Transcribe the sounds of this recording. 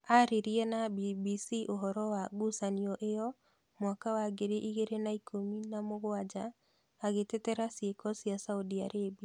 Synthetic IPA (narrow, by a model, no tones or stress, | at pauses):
aɾeɾiɛnabibisiʔoɦɔɾɔwaɡusaniɔʔejɔ | mwakawaɡeɾeʔiɣeɾenaikʰominamoɣwad͡ʒaː | ɣetɛtɛɾasjekɔsjasaudiaɾebia